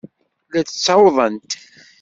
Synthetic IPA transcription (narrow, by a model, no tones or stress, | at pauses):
læt͡sət͡sːɑwðˤənt̪